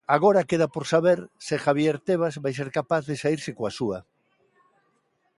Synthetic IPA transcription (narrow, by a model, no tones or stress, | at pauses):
aɣoɾakeðapoɾsaβeɾsɪxaβjeɾt̪eβ̞azβajs̬eɾkapaθðesaiɾsɪkoasua